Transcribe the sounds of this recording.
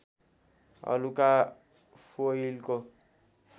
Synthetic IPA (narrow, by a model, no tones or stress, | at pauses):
a̰lukʼa | foilkʼɔ